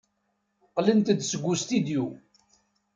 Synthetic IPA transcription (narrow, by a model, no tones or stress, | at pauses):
qlənt̪d̪səɡʷːust̪id̪ju